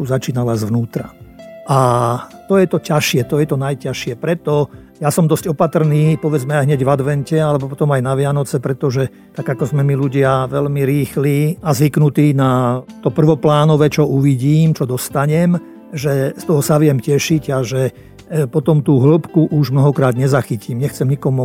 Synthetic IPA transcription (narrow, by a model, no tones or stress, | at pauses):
tuzat͡ʃiːnalazʋnuːt̪ɾaʔat̪ɔjɛt̪ɔcaʃɪɛt̪ɔjɛt̪ɔnajcaʃɪɛpɾɛt̪ɔ | jasɔmd̪ɔsɟɔpat̪r̩niːpɔʋɛd͡zmɛajɦɲɛɟʋad̪ʋɛncɛalɛbɔpɔt̪ɔmajnaʋɪanɔt͡sɛpɾɛt̪ɔʒɛ | t̪aɡakɔzmɛmiluɟɪaʋɛlmiɾiːxliːazʋiknut̪iːnat̪ɔpr̩ʋɔplaːnɔʋɛt͡ʃɔuʋiɟiːmt͡ʃɔd̪ɔst̪aɲɛm | ʒɛst̪ɔɦɔsaʋɪɛmcɛʃiɟaʒɛ | pɔt̪ɔmt̪uːɦl̩pkuʔuʒmnɔɦɔkɾaːd̪ɲɛzaxicimɲɛxt͡sɛmɲikɔmu